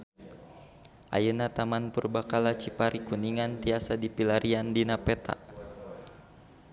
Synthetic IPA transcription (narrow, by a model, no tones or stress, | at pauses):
ʔa̰junat̪amanpurbakalat͡ʃipaɾikuniŋant̪iasadipilaɾʔiandinapɛt̪a̰